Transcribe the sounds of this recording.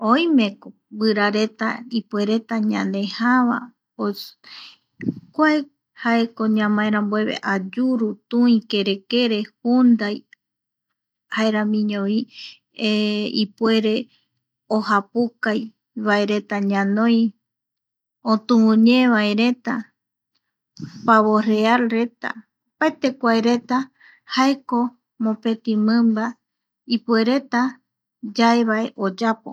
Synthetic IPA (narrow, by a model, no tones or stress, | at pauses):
oj̃mẽ̞ko | bɨɾaɾe̞t̪aipwe̞ɾe̞t̪aɲãnd̪ẽ̞haβa̰ | o | kʷae | haekoɲãmãeɾãmbwe̞βḛʔad͡ʒuɾut̪ũĩke̞ɾe̞ke̞ɾe̞hund̪aj | haeɾamĩɲõβi | eipwe̞ɾe̞ | ohapukaj | βae̞ɾe̞t̪aɲãnõj | õt̪ũũɲẽβaeɾe̞t̪a | paβorealɾe̞t̪a̰ | paet̪e̞kʷaeɾe̞t̪a | haeko̞ | mõpe̞t̪ĩmɨ̃mba | ipue̞ɾe̞t̪a | d͡ʒaeβae̞ʔod͡ʒapo̰